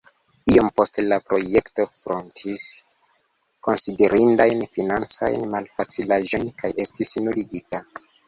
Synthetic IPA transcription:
io̞mpo̞stelapɾo̞je̞kto̞fɾontʰis | ko̞nside̞ɾʔindajnfinant͡sa̰jnmalfat͡silaʒo̞jnkajʔe̞stisnuliɡita

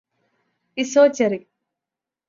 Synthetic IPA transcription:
isoːt͡ʃɐɾi

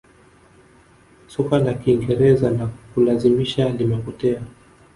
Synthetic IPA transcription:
sukalakiːŋɡɛɾɛzanakulazimiʃalimɛpɔtɛa

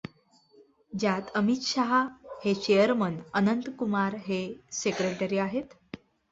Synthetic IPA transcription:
d͡ʑjat̪əmit̪ɕaɦahet͡ɕejəɾmənənənt̪kumaɾɦesekɾeʈəɾiːaɦet̪

